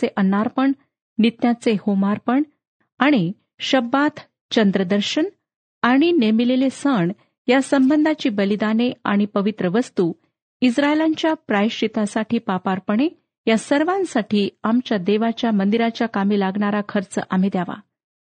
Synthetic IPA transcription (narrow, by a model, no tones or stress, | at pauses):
eʔənaɾpəɳ | nit̪jat͡sehomaɾpəɳ | aɽ̃i | ɕəbːat̪ʰ | t͡ɕənd̪ɾəd̪əɾɕən | aɽ̃inemilelesəɳ | jasəmbənd̪ʱat͡ɕiːbəlid̪anea̰ɽ̃ipəʋit̪ɾəʋəst̪uː | isɾaelaɲt͡ɕjapɾaiɕʈit̪asaʈʰiːpapaɾpəɳ̃e | jasəɾʋãnsaʈiːamt͡ɕjad̪eʋat͡ɕjamənd̪iɾat͡ɕjakamiːlaɡɳaɾakʰəɾt͡sʔam̤iːd̪jaʋa̰